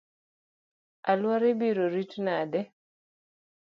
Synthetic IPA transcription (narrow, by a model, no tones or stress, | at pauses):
alwaɾebiɾoɾitnadɛ